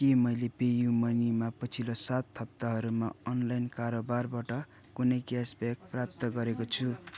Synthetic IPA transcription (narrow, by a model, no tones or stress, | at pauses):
kemʌjlepejumʌnimapʌt͡sʰilosat̪ːʰʌp̚t̪aɦʌɾumaʌnlajnkaɾobarbaʈʌ | kunʌjɡjasbak̚prap̚t̪ʌɡʌɾekot͡sʰu